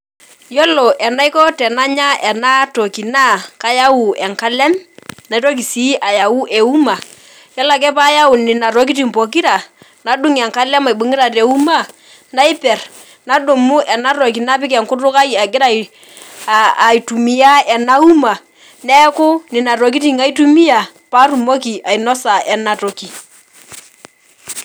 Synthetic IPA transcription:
jɔ˦lɔ˨ʔɛ˨na˦i˦kɔ˦tɛ˨na˦ɲa˦ʔɛ˨na˦to˨ki˨na˦ka˦ja˦wu˨ɛ˨ŋka˦lɛ˦mna˨i˦tɔ˦ki˨si˦ʔa˨ja˨wu˦ʔɛ˨u˦ma˨ | jɔ˦la˨kɛ˦pa˦ja˦wʊ˨nɪ˨na˨ɾɔ˦k̬i˦ti˨mpɔ˨k̬i˦ɾa˨ | na˨du˦ŋɛ˨ŋka˦lɛ˦ma˨i˨ɓu˨ŋɪ˦ɾa˨tɛ˨u˦ma˦˨ | na˦ɪ˦pɛ˨r | na˦do˨mʊ˦ʔɛ˨na˦ɾɔ˨k̬i˨na˦pɪ˦k̬ɛ˨ŋkʊ˦tʊ˦ka˦ji˨a˨ɡɪ˦ɾa˦˨ | i˨tu˨mi˨ja˦ɛ˨na˦u˦ma˨ | nɛ˦kʊ˦nɪ˨na˨tɔ˨k̬i˦ti˦˨ŋa˦i˦tu˦mi˦ja˨ | pa˦ru˨mɔ˦ki˨ʔa˨i˨nɔ˦sa˨ɛ˨na˨tɔ˨ki˨

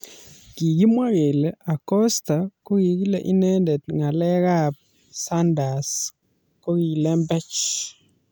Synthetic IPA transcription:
ɡ̥i˨ɡi˦mwa˦ɣe˨la˨kɔ˦sta˨ko˦ɡi˨ɡi˦le˨ʔi˦nɛ˦ndɛ˨tŋa˨lɛ˦ɣa˦p̚ | sa˦nda˨s | ko˦ɡi˨lɛ˦mbɛ˦t͡ʃ

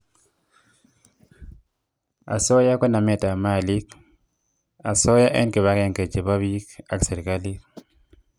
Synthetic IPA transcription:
a̰˨so˦ja˦kɔ˦na˨me˨ta˨ma˦˨li˦k | a˨so˦ja˦ʔɛ˦nke˨βa˦ke˦nke˨t͡ʃe˨ba˦βi˦ka˨kse˨ɾka˦li˦k

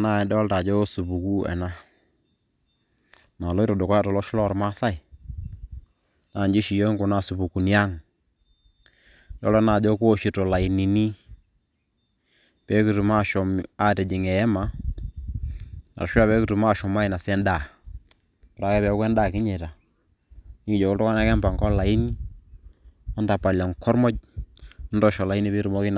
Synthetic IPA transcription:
na˦˨dɔ˦lta˨d͡ʒɔ˦su˨pu˨ku˦ɛ̰˨na˦ | na˨lɔ˦i˦ɾɔ˨do˨kɔ˦ja˦tɔ˨lɔ˦ʃʊ˦lɔ˦˨ɾma˦sa˦i˨ | na˨ɲd͡ʒi˦ʃi˨jo˦ŋku˨na˦˨su˨pu˨ku˨n˦a˦ŋ | dɔ̰˦lɔ˦na˨d͡ʒɔ˦ko˦ʃi˨to˨la˨i˨ni˨ni˦ | pɛ˨˦ku˨tu˨ma˦˨ʃɔ˨ma˦tɛ˨d͡ʒi˨ŋɛ˨ɛ˦ma˨ | na̰˨ɾʃu˦a˦˨pɛ˨˦ku˦tu˨ma˦˨ʃɔ˨ma˦i˨na˨sɛ˦nda˨ | pa˨ɾa˨˦kɛ˦pɛ˨˦kwɛ˦nda˦˨ki˦ɲɛ˨ta˨ | ni˦ki˨d͡ʒɔ˨ku˦tɔ˦ka˦na˦kɛ˦mba˨ŋkɔ˦la˨i˦ni˦ | ɔ˦nda˨pa˨la˨ŋkɔ˦ɾmɔ˦d͡ʒ̚ɔ˦ndɔ˦˨ʃɔ˨la˨i˦ni˦pe˦ɾu˨mɔ˦ki˦n˨

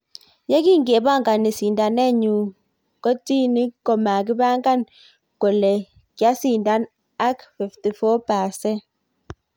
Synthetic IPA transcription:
jɛ˦ki˦˨ŋ˦ɡe˨ba˦˨ŋ˨ɡa˨nːi˨si˨nda˨nɛ˦˨ɲu˨ | kɔ˦ti˦ni˦kɔ˨ma˨k̬i˦ba˦ŋ˦ɡa˦˨n | kɔ˨lɛ˨ | kja˨˦si˦˨nda˦n | a˦kfɛ˨fti˨fɔ˦paː˨sɛ˦

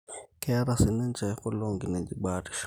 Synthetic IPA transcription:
kʰʼɛ˦ɾa˨si˨nɛ˦nd͡ʒʱɛ˨kɔ˦lo˦ŋɡine˨d͡ʒi˦ɓaːtʼi̥ʃ

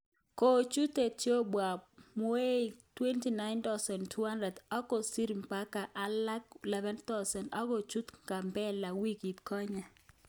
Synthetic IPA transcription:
ko˦t͡ʃu˦te˨tjo˦bwa˨mɔ˦e˦˨twe˦nti˨na˦ɪnt̪ɔ˦sɛ˨ntʰu˦ha˦ndɾɛ˨dɔ˦kɔ˨si˦ɾmpa˦ka˨ʔa˨˦la˦klɛ˦vɛ˦nt̪a˦sɛ˨ndɔ˦kɔ˨t͡ʃu˦tŋɡa˨mbɛ˦la˨wi˦ki˨tkɔ˦ɲa˨

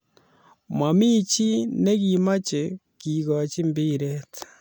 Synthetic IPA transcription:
ma˨mi˦t͡ʃi˦ne˦ki˨ma˦t͡ʃe˨ | ki˨ɣa˨t͡ʃi˦mbi˦ɾe˦t

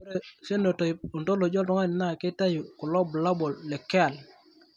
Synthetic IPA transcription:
ɾe˨se˦no˨tɔ˨ju˨nto˦lo˨d͡ʒɔ˦ltɔ˨ŋa˦n˨na˦˨ke˦ta˦ju˨ku˨lɔ˦bla˦bɔ˨lːe˨kːɛ˦a˨l

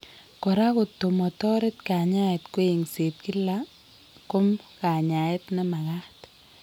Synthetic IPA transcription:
kɔ˨ɾa˦kʊ˨t̪o˨mɔ˨tɔ˦ɾɪ˦t̪ka˨ɲa˦e˨t̪ko˦e˨ŋse˨t̚ki˦la˦ | ko˦mka˨ɲa˨ɪ˦t̪nɛ˦ma˨ɣa˦ht

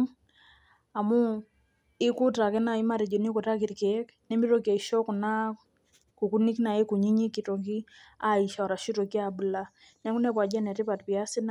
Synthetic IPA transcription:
a˨mu˦ | ɪ˦ku˦ta˨kɛ˦na˨i˦ma˦ɾi˨d͡ʒɔ˨ni˦ko˨ta˦ki˨ɾkɛ˨˦k | nɛ˦mi˦ɾo˨ki˨a˨i˨ʃɔ˦ku˨na˦ | ku˨ku˦ni˦kna˨e˦ku˨ɲi˦ɲi˦ki˨to˨k̬i˦ | a˨i˨ʃa˨ɔ˨ɾa˨ʃi˦to˨ki˦abu˨la˦ | nɛ˦ku˦nɛ˦p̬wa˨d͡ʒa˦nɛ˨ti˦pa˨tpi˨a˦si˦n

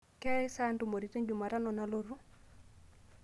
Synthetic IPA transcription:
kɛ˦ɪ˦sa˦ndu˨mo˨ɾi˨˦te˦ɲd͡ʒu˨ma˨ɾa˦nɔ˨na˦lo˦ɾu˦

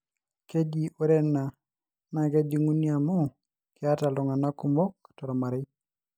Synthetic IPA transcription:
ke˦d͡ʒi˨ʔo˦ɾe˦na˨ | na˨ke˦d͡ʒi˦ŋu˦ni˦a˨mɔ˦ | kɪ˨a˦ta˨lɔ˨ŋa˨na˦ku˨mo˦ktɔ˨ɾɔ˨ma˨ɾɪ˦

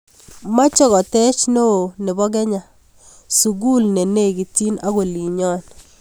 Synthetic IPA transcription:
ma˦t͡ʃɔ˦ɣɔ˨tɛ˦t͡ʃno˦o˨nɪ˨bɔ˦ɡɛ˦ɲa˨ | su˨ɡu˦lne˨ne˦˨ɡi˨ti˦na˦ɣo˨li˨ɲɔ˦n

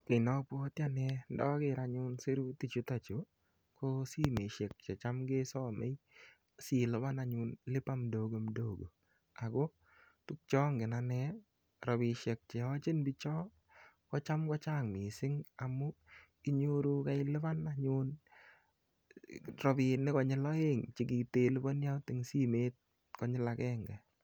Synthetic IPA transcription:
ke˨nɔ˨˦po˦tja˦nɛdɔ˦kɪ˨ɾa˧ɲʊ˦nse˦ɾu˦ti˨t͡ʃu˦ta˨t͡ʃo˨ | ko˦si˦me˨ʃɛ˨k̚t͡ʃɛ˨t͡ʃa˦mɡe˦sɔ˦mḛ˦j | si˦˨lɪ˦ba˦na˨ɲʊ˧nlɪ˦pa˦mdoɡo˨mdoː˦ɡo˨ | a˨ɡɔ˦ | tu˦k̚t͡ʃɔ˦ŋɡɪ˨na˧nɛ˦ | ɾɔ˨bɪ˨ʃɛ˨k̚t͡ʃɛ˨ɔ˦t͡ʃɪ˦nbɪt͡ʃɔ˦ | kɔ˦t͡ʃa˦mkɔ˦t͡ʃaː˦˨ŋmɪ˨sɪ˦ŋa˨mʊ˦ki˦ɲo˦ɾu˦ka˦ɪlɪ˦ba˦naɲʊn | ɾɔ˨bɪ˨nɪ˦kɔ˨ɲɪ˦lɔ˦e˦ŋt͡ʃɪ˦ɡi˨teː˦lɪ˦bɔ˦nja˦tɪ˨ŋsi˦meː˦t̚ | kɔ˦ɲɪ˦la˧kɛː˦ŋɡɛ˨

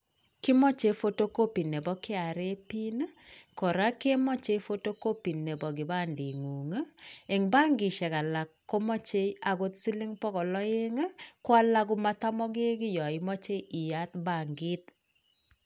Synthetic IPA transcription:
kɪ˦mɔ˦t͡ʃe˦fo˦to˦ko˦pi˨ne˨bɔ˦kɪ˦a˨ɾe˦pi˦nkɔ˨ɾa˦ke˦mɔ˦t͡ʃe˦fo˦to˦ko˦pi˨ne˨bɔ˨ɡɪ˨ba˦ndi˨ŋu˨ŋ˦ | e˨ŋba˦ŋɡɪ˨ʃɛ˨ka˨la˨kːo˦mɔ˦t͡ʃe˦a˨ɡo˦t̪si˦li˦ŋpɔ˦kɔ˨lɔ˦e˦ŋ˦kwa˦la˦ɡʊ˦ma˦t̪a˦mɔ˦ɡɪ˦ɡɪ˦jɔ˨ɪ˨mɔ˦t͡ʃe˦ʔi˨ja˦t̪ba˨ŋɡɪ˦t̪

